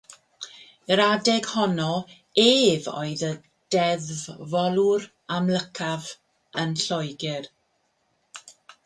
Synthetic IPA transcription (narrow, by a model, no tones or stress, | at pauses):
ɾadɛɡ̥hɔnɔ | eːvo̰ɨðə | d̥ɛðvvɔlˠʊɾ | amləkʰav | ənɬɔjɡɪr